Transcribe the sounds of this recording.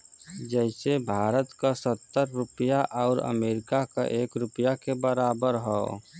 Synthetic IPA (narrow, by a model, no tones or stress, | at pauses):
d͡ʒɛɪsebʱaːɾət̪kasət̪ːəɾːʊpəjaʔɔːɾə̰meːɾɪkaka̰ʔeːkɾʊpjakebəɾaːbəɾɦɔː